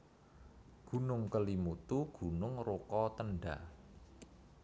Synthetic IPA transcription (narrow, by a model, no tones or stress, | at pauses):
ɡ̥ṳnʊŋkəlimut̪uɡ̥ṳnʊŋrokɔt̪ənɖa